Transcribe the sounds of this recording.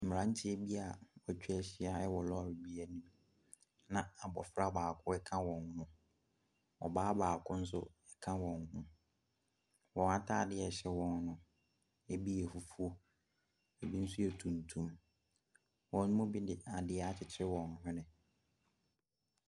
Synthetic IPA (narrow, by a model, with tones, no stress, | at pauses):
m̩˨m˨ɾã˨˦n̩˦tʰɪ˦ɛ˦bi˦a˨ɔ˨t͡ɕᶣi˦ɛ˨ɕɪ˦a˦ɛ˦wɔ˨lɔ˦˨ɾi˨bi˨˦æ˨nĩ˦m | nã˨a˨bɔ̰˨fɾa˦˨baː˨kʰʊ˦ɛ˦kʰã˦wɔ̃˨n˨nʊ̃˦ | ɔ̰˨baː˦baː˨kʰʊ̃˦n̩˦sʊ̰˦ | ɛ˦kʰã˦wɔ̃˨n˨hʊ̃˦ | wɔ̃˨na˦tʰa˦˨dɪ˦ɛ˨ɕɛ˦wɔ̃˨n˦nʊ̃˦ | ɛ˨bi˦ɛ˨fu˨fu˦o˦ | ɛ˨bi˦n̩˦sʊ˦ɛ˨tʰũ˨ntʰũ˦m | wɔ̃˨ñː˦mʊ̃˦bi˦dɪ˨a˨dɪ˦ɛ˦a˦t͡ɕʰɪ˨t͡ɕʰɪ˦ɾɪ˦wɔ̃˨n˨hʊ̃˦nɪ̃˨